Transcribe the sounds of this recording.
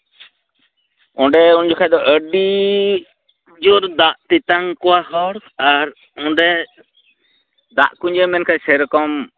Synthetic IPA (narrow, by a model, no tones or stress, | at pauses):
ɔɳɖɛund͡ʒɔkʰajd̪ɔʔəɖi | d͡ʒoɾd̪aʔt̪it̪aŋkɔahɔɾaɾ | ɔɳɖɛ | d̪a̰ʔkuɲd͡ʒɛmɛnkʰasɛɾkɔm